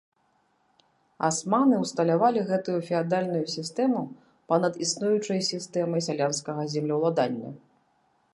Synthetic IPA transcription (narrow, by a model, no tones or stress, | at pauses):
a̰smanɨwst̪ɐlʲavalʲiɣɛt̪ujufʲiad̪alʲnujusʲist̪ɛmu | pɐnɐd̪isnujut͡ʂɐjsʲist̪ɛmɐjsʲalʲanskɐɣɐzʲɛmlʲɐwlˠad̪anʲːɐ̰